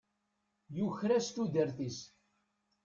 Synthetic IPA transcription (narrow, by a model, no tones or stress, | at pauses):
juçɾæst̪ud̪əɾθis